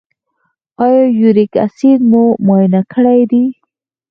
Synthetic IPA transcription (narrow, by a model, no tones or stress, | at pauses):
ɑjɑjuɾika̰sinmumɑjnakʰəɽajd̪i